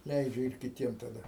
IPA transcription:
ˈlʲɛɪd͡ʒʲɛ ɪr kʲɪˈtʲiɛm tɐˈdɐ

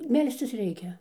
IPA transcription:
ˈmʲɛlʲsʲt͡sʲɪs ˈrʲɛɪkʲɛ

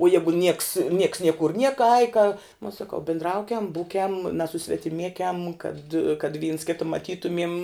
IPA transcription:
uɔ ˈjæːɡʊ nʲiɛks nʲiɛks ˈnʲiɛkʊr ˈnʲiɛkɐ ɐɪ kɐ uɔ sɐˈkɐʊ bʲɪndˈrɐʊkʲɛm ˈbuːkʲɛm nɐsʊsʲʋʲɛtʲɪˈmʲiɛkʲɛm kɐt kɐt ʋʲiːns ˈkʲɪtɐ mɐˈtʲiːtʊmʲiɛm

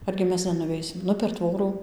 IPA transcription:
ˈɐrʲɡʲɪ ˈmʲɛs nʲɛnʊˈʋʲɛɪsʲɪm ˈnʊ pʲɛr ˈtʋoːruː

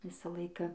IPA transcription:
ˈʋʲɪsɐ ˈlˠɐɪkɐ

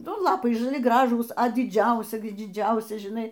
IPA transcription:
ˈnʊ ˈlˠɑːpɐɪ ʒɐˈlʲɪ ˈɡrɑːʒuːs ɐ dʲɪˈd͡ʒʲɛʊsʲɪ dʲɪˈd͡ʒʲɛʊsʲɪ ʒʲɪˈnɐɪ

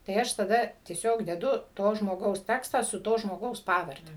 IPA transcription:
tɐɪ ˈɐʃ tɐˈdɐ tʲiɛˈsʲoːk dʲɛˈdʊ ˈtoː ʒmoːˈɡɐʊs ˈtʲæːkstɑː sʊ ˈtoː ʒmoːˈɡɐʊs ˈpɑːʋɐrʲdʲɛ

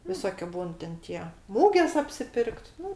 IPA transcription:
ʋʲɪˈsoːkʲʊ ˈbuːn tʲɛn ˈtʲiɛ ˈmuːɡʲeːs ɐpʲsʲɪˈpʲɪrkt ˈnʊ

